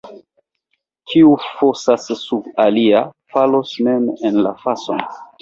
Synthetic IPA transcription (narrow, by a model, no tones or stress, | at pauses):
kʰiufosasːubaliafalosmemenla̰faso̰n